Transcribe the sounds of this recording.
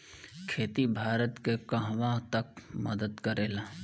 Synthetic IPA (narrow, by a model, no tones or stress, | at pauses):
kʰeːt̪ibʱaːɾət̪kekɐɦʋãt̪ɐk̚mɐd̪əd̪kɐɾeːlaː